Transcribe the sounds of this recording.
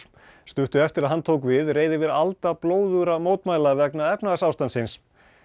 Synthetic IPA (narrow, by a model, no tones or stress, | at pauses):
st̪ʏht̪ʏɛft̪ɪɾaðɦant̪ʰoːwkvɪðreːjðɪvɪɾalt̪aploːwðʏɾamoːwt̪maːjlavɛknaðɛpnaðasawst̪ansɪns